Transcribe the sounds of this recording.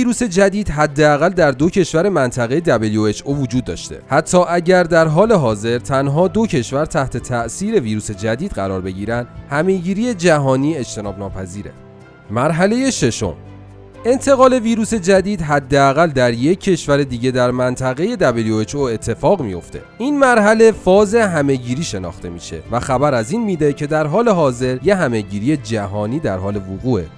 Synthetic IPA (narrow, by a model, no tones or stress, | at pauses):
iːɾuːse̞d͡ʒæd̪iːd̪̥ɦæd̪ːeæɣæld̪æɾd̪o̞cʰe̞ʃvæɾe̞mænt̪ʰæɣejed̪æbeljoet͡ʃʔovod͡ʒuːd̪̚ːɒ̰ːʃt̪e̞̰hæt̪ʰːɒːʔæɟæɾd̪æɾɦɒːle̞ɦɒːze̞ɾt̪ʰænɦɒːd̪o̞cʰe̞ʃvæɾt̪ʰæht̪ʰe̞t̪ʰæʔsiːɾe̞viːɾuːse̞d͡ʒæd̪iːd̪̥ɢæɾɒːɾbe̞ɟiːɾænd̪hæme̞ɟiːɾije̞d͡ʒæɦɒːniːe̞d͡ʒt̪ʰe̞nɒːbnɒːpʰæziːɾḛ | mæɾɦæle̞je̞ʃe̞ʃo̰m | e̞nt̪ʰe̞ɣɒːle̞viːɾuːse̞d͡ʒæd̪iːd̪ɦæd̪ːeæɣæld̪æɾje̞cʰːe̞ʃvæɾe̞d̪iːɟe̞d̪æɾmænt̪ʰæɣe̞je̞d̪æbeljoet͡ʃoe̞t̪ʰːe̞fɒːɣmijo̞̰ft̪ʰe̞̰iːnmæɾɦæle̞fɒːze̞ɦæme̞ɟiːɾiːʃenɒ̰ːxt̪ʰe̞mḭːʃe̞̰væxæbæɾæziːnmiːd̪e̞cʰe̞d̪æɾɦɒːle̞ɦɒːze̞ɾje̞ɦæme̞ɟiːɾijed͡ʒæɦɒːniːd̪æɾɦɒːle̞voɣuːḛ